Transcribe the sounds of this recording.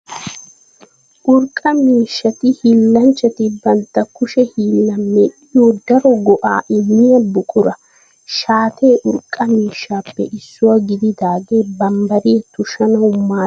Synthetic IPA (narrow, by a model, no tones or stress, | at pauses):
ʔʊɾkʼːɐmiːʃːɐt̪ɪhiːlːɐnt͡ʃːɐt̪ɪbɐnt̪ːɐkʊʃɛhiːlːɐmːeɗɪjoːd̪ɐɾɔɡɔʔa̰ːʔɪnːɪjɐbʊkʼʊɾɐ | ʃaːt̪ʰe̞ːʔʊɾkʼːɐmiːʃːaːpːɛ̰ʔɪsːʊwɐɡɪd̪ɪd̪aːɡeːbɐmbɐɾiːt̪ʊʃɐnɐʊmːaː